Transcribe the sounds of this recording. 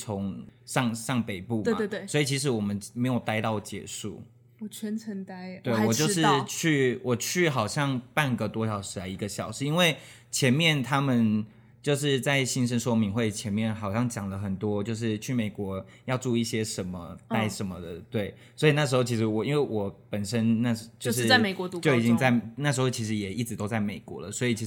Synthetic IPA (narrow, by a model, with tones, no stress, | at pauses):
t͡sʰʊ˧˦ŋʂɑ˥˧ŋʂɑ˥˩ŋpe˨˩ɪpu˥˨m˥e˥˩sɔ˧˥i˨˩t͡ɕʰi˧˥ʂ̬ɻ̩˧wɔ˨˩mə˦nme˧˥jo˨˩ʊt̪a˥ɪt̪ɑ˥˩ʊ˩t͡ɕjɛ̰˨˧˥ʂṵ˥˩ | u˨˩t͡ɕʰɛ˧˥nt͡sʰə˧˥ŋt̪a˥ɪt̪we˥˩wɔ˨˩jo˥˧ʊʂɻ̩˧t͡ɕʰy˥˧wʔɔ˨˩t͡ɕʰy˥˩xɑ˨˩ʊɕjɑ˥˧ŋpa˥˩nɡə˩t̪wɔ˦ɕjɑ˨˩ʊʂɻ̩˧˥la˨˧ɪi˧˥ɡə˧ɕjɑ˨˩ʊʂɻ̩˧˥i˦˥nwe˥˩ɪ | t͡ɕʰjɛ˧˥nmjɛ˥˩nt̪ʰa˦˥mə˨n | t͡ɕjo˥˧ʊʂ̬ɻ̩˥˧t͡sa˥˩ɪɕi˥nʂ̬ə˥nʂwɔ˥mi˧˥ŋxwe˥˩ɪt͡ɕʰjɛ˧˥nmjɛ˥˩nxɑ˨˩ʊɕjɑ˥˩ŋt͡ɕjɑ˨˩ŋlə˦xə˨˩nt̪wɔ˦˥t͡ɕjo˥˧ʊʂ̬ɻ̩˥˧t͡ɕʰy˥˩me˨˩ɪkwɔ˧˥ | jɑ˥˧ʊt͡su˥˧i˥˩ɕjɛ˥ʂə˧˥nmə̰˧t̪a˥ɪʂə˧˦˥nmə˧d̪ə̰˩t̪we˥˩ɪ | swɔ˧˥i˨˩na˥˩ʂ̬̩˧˥xo˥˩ʊt͡ɕʰi˧˥ʂɻ̩˧˥wɔ˨˩i˥nwe˥˩ɪwɔ˨˩˦pə˨˩nʂə˦˥nna˥˩t͡ɕjo˥˧ʊʂ̬ɻ̩˥a˥˩me˨˩ɪkwɔ˧˥t̪u˧˥t͡ɕjo˥˩ʊ˨t͡ɕi˦˥ŋt͡sa˥˩ɪna˥˩ʂ̬̩˧˥xo˥˩t͡ɕʰi˧˥ʂ̬ɻ̩˧˥jɛ˨˩i˥˩ʈ͡ʂɻ̩˧t̪o˥ʊt͡sa˥˩ɪme˨˩ɪkwɔ̰˧˦lə˨swɔ˧˥i˨˩t͡ɕʰi˧˥ʂ